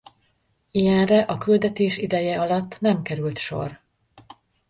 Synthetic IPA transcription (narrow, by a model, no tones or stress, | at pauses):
ijɛnrɛʔɒkyld̪ɛt̪eːʃid̪ɛjɛɒlɒt̪ːnɛmkɛɾylt̪ʃo̞̰r